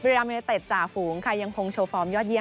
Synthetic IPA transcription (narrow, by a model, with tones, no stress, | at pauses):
baː˧meː˧t̪e˨˩t̪̚t͡ɕaː˨˩fuː˩˦ŋkʰa˧˩ja˧ŋkʰo˧ŋt͡ɕʰoː˧fɔː˧mjɔː˥˩t̪̚i˥˩ə